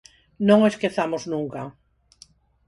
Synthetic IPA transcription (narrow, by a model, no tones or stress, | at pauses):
nõŋeskeθamoznũŋka